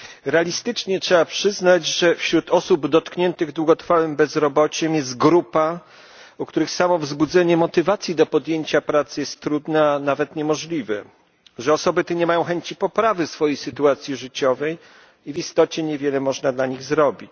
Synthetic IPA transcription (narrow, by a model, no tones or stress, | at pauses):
ɾɛalʲist̪ɘt͡ʂɲɛtʂɛbapʂɘznad͡ʑʐɛfɕɾut̪ʰɔsubd̪ɔt̪kɲɛnt̪ɘɣd̪wuɡɔt̪ɾfawɘmbɛzɾɔbɔt͡ɕɛmjɛs̬t̪̚ɡɾupa | ukt̪uɾɘxsamɔvzbud̪zɛɲɛmɔt̪ɘvat̪sʲjid̪ɔpɔd̪jeɲt͡ɕapɾat̪sjɛst̪ːɾud̪naːnavɛt̪ɲɛmɔʐlʲivɛ | ʐɛɔsɔbɘt̪ɛɲɛmajɔ̃w̃xɛɲt͡ɕipɔpɾavɘsfɔjejsɘt̪uat̪sʲjiʐɘt͡ɕɔvɛj | ivist̪ɔt͡ɕɛɲɛvʲjɛlɛmɔʐnad̪laɲiɣzɾɔbʲit͡ɕ